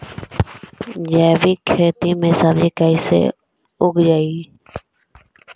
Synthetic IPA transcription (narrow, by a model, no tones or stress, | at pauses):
d͡ʒɛːʋiːkʰeːt̪iːmẽːsabd͡ʒiːkaːisḛː | ʊɡd͡ʒaːiː